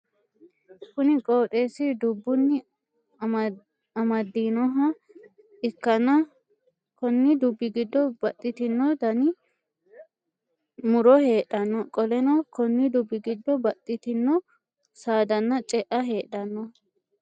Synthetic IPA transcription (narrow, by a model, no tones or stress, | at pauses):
kʊnɪkʼo̞ːt̪ʼe̞ːsɪd̪ʊbːʊnːɪ | ɐmɐd̪ːiːnɔɦɐ | ɪkːɐnːɐ | kɔnːɪd̪ʊbːɪɡɪd̪ːɔbɐt̪ʼːɪt̪ɪnːɔd̪ɐnɪ | mʊɾɔhe̞ːᶑɐnːɔkʼɔlɛnɐkɔnːɪd̪ʊbːɪɡɪd̪ːɔbɐt̪ʼːɪt̪ɪnːɔ | saːd̪ɐnːɐt͡ʃʼɛʔɐɦe̞ːᶑɐnːɔ